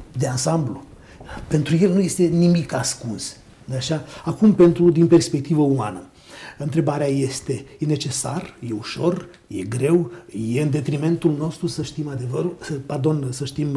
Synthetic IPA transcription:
d̪eansamblu | pe̞nt̪ɾuje̞lnuje̞st̪e̞nimikaskuns | d̪eaʃaakumpe̞nt̪ɾud̪inpe̞rspe̞k̚t̪ivəuma̰nə | ɨnt̪ɾe̞baɾeaje̞st̪e̞jene̞t͡ʃe̞sa̰rje̞uʃo̞r | je̞̰ɡɾe̞wje̞ɨnd̪e̞t̪ɾime̞nt̪ulno̞st̪ɾusəʃt̪imad̪e̞vəɾusəpard̪o̞nsəʃt̪im

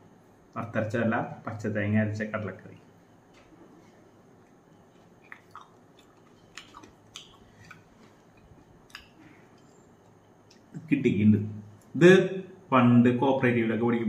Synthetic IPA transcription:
ɐrt̪ːɐɾɐt͡ɕːɐɐlːapɐt͡ɕːɐt̪ɐjɐŋːaːɾit͡ɕːɐkɐɽɐɭɐkːɐrḭ | kiʈːikʲːiɳɖɨ | iðɨfɐɳɖɨko̞ːpːɐreːʈːiʋilokːepoɽikʲːum

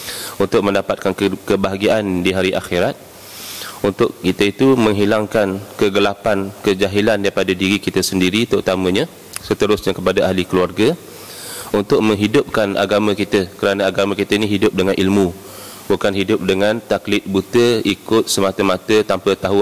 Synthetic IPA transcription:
unt̪ʊk̚mə̃ndapat̪̚kankəbaɦaɡiaʔandiɦaɾiʔaxiɾat̪̚ | unt̪ʊʔkit̪əit̪umə̃ŋɦilaŋkankəɡəlapankəd͡ʒaɦilandaipadadiɾikit̪əsəndiɾit̪əɾut̪amə̃ɲã | sət̪əɾʊsɲakəpadaʔaɦlikəluarɡa | unt̪ʊʔ̚mə̃ŋɦidʊp̚kanʔa̰ɡamə̃kit̪əkəɾanaaɡamãkit̪ainiɦidʊp̚dəŋanʔilmũ | bukanɦidʊp̚dəŋãnt̪aklɪt̪̚but̪əikʊt̪̚səmat̪əmat̪ət̪ampət̪aɦu

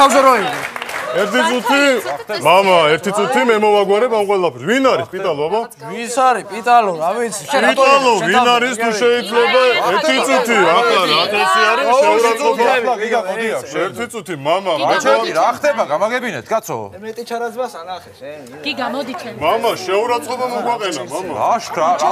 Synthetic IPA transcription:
azɔɾɔilɛɾt̪ʰit̪sʼut̪ʰimamaɛɾt̪ʰit̪sʼut̪ʰimɛmɔvaɡwaɾɛpʰamqʼwɛlapʰɛɾsvinaɾispʼit̪ʼalˠɔaba | visaɾipʼit̪ʼalɔɾavit̪sʰipit̪ʼalˠɔvinaɾist̪ʰuʃɛit̪ʰlɛbaɛɾt̪ʰit̪sʼut̪ʰiakʰlaɾat̪ʰasiaɾisaauɾaɔbaiaɔɛɾt̪ʰit̪sʼut̪ʰimamamɛɛɾaχd̪ɛbaɡamaɡɛbinɛt̪ʰɡat̪sʰɔ̰ | mamaʃɛuɾat̪sʼqʼɔbamɔɡwaqʼɛnamama̰aʃkʰɾa

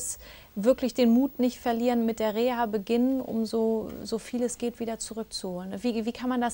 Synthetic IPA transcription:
s | vɪɐklɪçd̥eːnmuːtnɪçtfɛɐliːʁənmɪt̚d̥eːɐʁeːaːbəɡɪnənʔʊ̰mzoːzoːfiːləsɡ̥eːtv̥iːdɐt͡suʁʏk̚t͡suhoːlənviːviːkʰanmandas

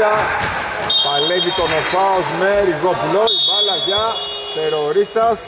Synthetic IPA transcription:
ɐ | pɐlevit̪onofaosmeɾiɣoploibɐlɐʝɐ | t̪eɾoɾist̪ɐs

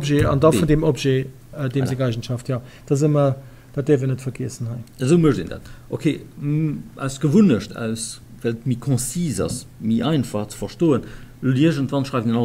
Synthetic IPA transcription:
pʒeːɑ̰ndɑfundemopʒeː | ədeːmzeːɡɑɪʒənʃɑftʰjɑːd̥ɑzəmɐ | d̥atdɛːɐvəɐnətfɐɡeəsənhɑɪəzəʊmuəʃdḛnda̰ːtʔokʰeː | æ̰ʊsɡ̥əvunəʃtʰæ̰ʊs | vælətmikʰɔ̃siːzɑ̰s | miʔɑɪnfɑχt͡sə̥fɐʃtoːənloliəʒəntvɑnʃʁɑɪvndenɑ

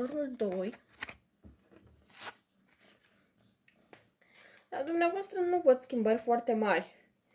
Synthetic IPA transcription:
oɾuld̪oj | d̪̥ad̪umneavoast̪ɾənuvot̪skʲimbərʲfoart̪e̞marʲ

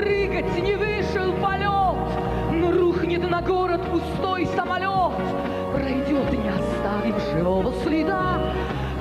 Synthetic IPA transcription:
rɨɡətʲnʲɪvɨʂɨlˠpɐlʲot̪ | noruxnʲɪt̪nɐɡoɾət̪pʊst̪ojsəmɐlʲot̪ | prɐjdʲot̪ɨnʲɪɐst̪avʲɪfʐɨvovəslʲɪd̪a

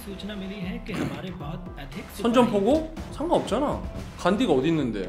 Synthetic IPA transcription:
ot͡ɕinaminiɦek͈emaɾɯɭka | atʰesʰʌnd͡ʑʌmpʰoɡosʰaŋɡaʌp̚t͡ɕ͈anakandiɡʌdinːɯnde̞̰

